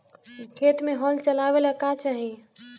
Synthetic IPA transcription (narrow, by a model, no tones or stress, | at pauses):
kʰet̪meɦɔlt͡ʃəlaβeləkat͡ʃaɦi